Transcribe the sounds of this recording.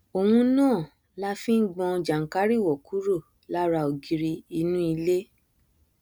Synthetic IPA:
o˨wũ˧nãː˦˨ | la˦fĩ˦ɡ͡bɔ̃˧d͡ʒa˨ŋ̩˨ka˦ɾi˦˨wɔ˨ku˨˦ɾo˦˨ | la˦ɾa˧o˨ɡi˧ɾi˧i˧nũ˦i˧le˦

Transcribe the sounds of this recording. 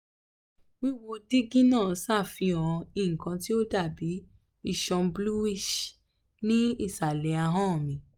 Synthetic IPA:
wĩ˦wo˧di˦ɡĩ˦nãː˦˨˦sa˦˨fĩ˧ɔ̃˧ĩ˨ŋ̩˨kã˧ti˦o˦da˦˨bi˨˦ | i˦˨ʃɔ̃˧blu˦wi˦ʃ | nĩ˦i˦˨sa˨lɛ˨˦a˧ɦã˦˨mĩ˧˦

